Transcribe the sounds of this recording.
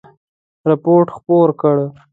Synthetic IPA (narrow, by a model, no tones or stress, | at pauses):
ɾapoɾʈxpoɾkəɽ